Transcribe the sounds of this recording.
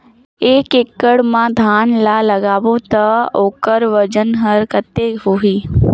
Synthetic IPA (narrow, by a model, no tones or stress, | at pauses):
eːkekːəɽmãd̪ʱaːnlalɐɡaːʋõt̪ɐoːkəɾʋɐd͡ʒənɦɐɾkət̪eːɦoːɦiː